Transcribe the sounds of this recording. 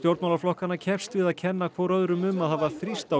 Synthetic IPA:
st̪jowɾt̪mawlaɾflɔhkanacʰɛfst̪vɪðaðcʰɛnːakʰvɔɾœðɾʏmʏmaðhavaθɾist̪a

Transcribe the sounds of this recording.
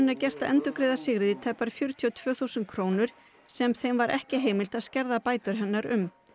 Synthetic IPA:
nːaɾcɛr̥t̪aʔɛnt̪ʏkɾeːjðasɪɣɾɪðɪt̪ʰɛpːaɾ̥fjʏɾ̥t̪ʰiɔt̪ʰv̥œːθuwsʏnt̪̚kʰɾoːwnʏɾ̥ | sɛmθejmvaɾʔɛhcɪɦeːjmɪl̥t̪aðscɛɾðapaːjt̪ʏɾ̥ɦɛnːaɾʏ̰m

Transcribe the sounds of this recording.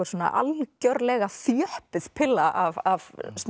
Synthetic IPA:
aɾsoːna̰ʔa̰lcœɾlɛɣaθjœhpɪðpʰɪlaʔavavs

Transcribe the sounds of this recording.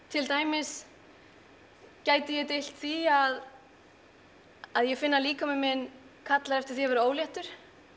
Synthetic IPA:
t̪ʰɪlt̪aːjmɪs | caːjt̪ɪjɛt̪ɪjl̥t̪θiað | aðjɛɣfɪnːaliːkamɪmɪn | kʰat̪laɾɛft̪ɪ̥θiɛɾvɛɾaoːwljɛht̪ʏɾ̥

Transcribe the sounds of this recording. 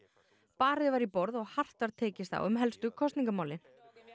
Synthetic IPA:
paːɾɪvaɾipɔɾðɔɣhar̥t̪vaɾ̥t̪ʰɛːcɪst̪θa̰wʏmɦɛlst̪ʏkʰɔst̪niŋkamaːwlɪn

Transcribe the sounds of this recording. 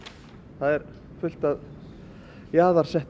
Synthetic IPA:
θaðɛɾ | fʏl̥t̪að | jaːðaɾ̥sɛht̪

